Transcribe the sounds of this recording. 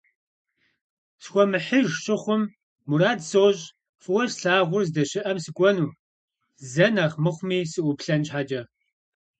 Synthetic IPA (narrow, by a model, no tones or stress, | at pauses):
sxʷɔmɨħəʒɕʼɪχʷʊmː | uɾaːdsoːɕʼ | fɨwɔʃɬaːʁʷʊrzdɐɕɪʔɐmsɨkʷʼɔnuː | zɐnaːχmɨχʷmiːsɨʔʷʊpɬɐnt͡ʃħaːd͡ʒɐ